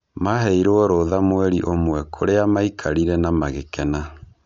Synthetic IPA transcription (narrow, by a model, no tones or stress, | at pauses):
maɦɛiɾoɔɾoðamwɛɾiʔomwɛkʰoɾeamaikʰaɾiɾɛnamaɣekɛna